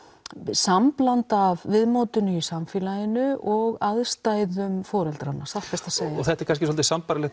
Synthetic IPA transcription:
samplant̪avvɪðmoːwt̪ʏnʏisamfɪːlajɪnʏʔɔɣaðst̪aːjðʏmfɔːɾɛlt̪ɾanːaapɛst̪aseːjaɔɣθɛt̪ɛɾkʰans̬cɪsɔlt̪ɪ̥sampaɾɪlɛ

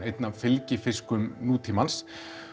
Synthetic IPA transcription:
ejt̪navfɪlcɪfɪskʏmnuːt̪ʰimans

